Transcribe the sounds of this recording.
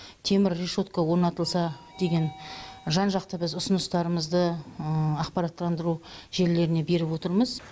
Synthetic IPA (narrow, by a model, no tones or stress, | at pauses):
t̪ʰe̞mɪɾreʃo̞t̪̚kawo̞ɾnɑt̪əlˠsɑd̪̥e̞ɡʲe̞nʒɑnʒɑqt̪əbɪzʊsʊnəst̪ɑɾəməzd̪əəɑqpɑɾɑt̪ːˠɑnd̪əɾuʒe̞ɾle̞ɾɪne̞be̞ɾɪpwo̞t̪əɾməz